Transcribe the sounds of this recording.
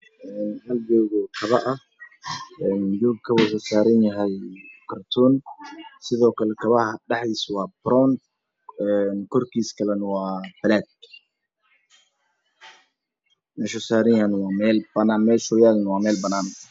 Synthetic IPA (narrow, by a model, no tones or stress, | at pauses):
ʔɛːnhɐld͡ʒɔːɣɔkʰɐβɐʔɐ | ɛnd͡ʒuːɡkʰɐβɐsɐsaːɾɪnjɐɦɛjkʰɐrt̪ʰuːnsɪðɔːkʰɐlɛkʰɐβɐhɐɖɑħiːswɑːbɾɔːn | ɛnkʰɔrkʰiːskʰɐlɛnwɑːbɐlaːd̪̚ | mɛːʃʊsaːɾɪnjɐnwɑːmɛːlbɐnaːnmɛːʃʊjaːlnwɑːmɛːlbɐnaːn